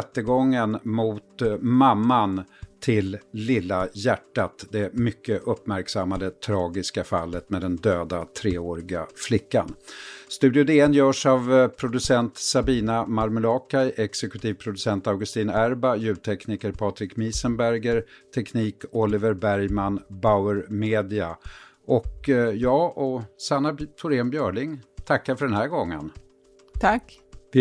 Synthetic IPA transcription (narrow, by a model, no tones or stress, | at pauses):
t̪ːəɡɔŋːənmʊt̪mamːant̪ʰɪlːɪlːajæʈːat̪d̪ɛmʏkːəʔɵpːmæɾksamːad̪ət̪ʰɾɑːɡɪskafa̰lːət̪mɛd̪ɛnd̪øːd̪at̪ʰɾeːoːɾɪɡaflɪkːa̰nst̪ʉ̟ːd̪ɪʊd̪eːɛnjœːʂavpʰɾʊd̪ɵsɛnt̪sabiːnamaɾmɵlɑːkajʔɛksɛkɵ̥t̪ʰiːvpʰɾʊd̪ɵsɛnt̪avɡɵst̪iːnæɾbajʉ̟ːt̪ʰɛknɪkəɾpʰɑːt̪ɾɪkmiːsənbæɾɡəɾt̪ʰɛkniːkɔlɪvəɾbæɾjmanbaʊəɾmeːd̪ɪa̰ʔɔkjɑːʔɔsanːat̪ʰʊɾeːmbjœːɭɪŋt̪ʰakːaɾfœɖɛnhæɾɡɔŋːə̰n | t̪ʰak